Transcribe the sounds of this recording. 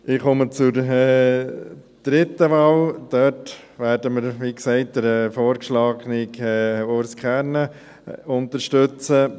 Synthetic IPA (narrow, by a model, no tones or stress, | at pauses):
ɪχɔmət͡sʊɾɛ | d̪̥ɾɪt̪ːəʋɑːld̥œt | ʋæːɾdəmɪɾʋiːksɛɪt̚d̥̪əɾɛːfoːɾkʃlɑːɡnɪkɛoɾskχæɾnə | ʊnt̪əɾʃtøt͡sə